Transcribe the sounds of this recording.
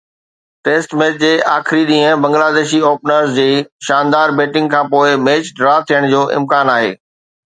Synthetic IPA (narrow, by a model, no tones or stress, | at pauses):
ʈeːsʈmeːt͡ɕd͡ʑeːʔaːxɾiɗĩːə̃bɐ̃ŋɡlaːd̪eːʃioːpnəɾzd͡ʑeːʃaːnd̪aːɾbeːʈɪ̃ŋɡkʰãːpoːɪmeːt͡ɕɖɾaːt̪ʰijəɽ̃d͡ʑoːʔɪ̰̃mkaːnaːɦḛː